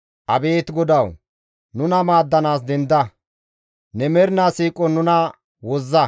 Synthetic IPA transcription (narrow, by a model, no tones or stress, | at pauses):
ʔɐbe̞ːt̪ɡɔd̪ɐw | nʊnɐmaːd̪ːɐnaːs̬d̪ɛnd̪ɐ | nɛmɛɾnaːsiːkʼːɔnʊnɐ | wɔzːɐ